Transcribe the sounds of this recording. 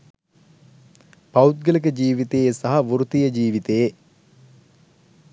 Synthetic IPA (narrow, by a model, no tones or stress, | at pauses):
paut̪̚ɡələk̬əd͡ʒiːʋit̪ejesɐɦaʋuɾut̪ijəd͡ʒiːʋit̪eje